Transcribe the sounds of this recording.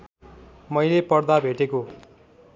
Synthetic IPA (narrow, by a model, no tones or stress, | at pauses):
mʌjlepʌrd̪abʱeʈeko